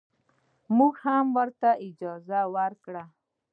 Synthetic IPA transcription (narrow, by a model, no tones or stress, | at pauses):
muɡhamwəɾt̪aɪd͡ʒɑzawaɾkɽa